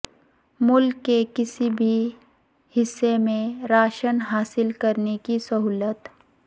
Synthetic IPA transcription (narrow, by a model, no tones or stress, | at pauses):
mʊlkːekɪsibʱi | hɪsːemẽɾaːʃənɦaːsɪlkɐɾnekisɐɦuːlət̪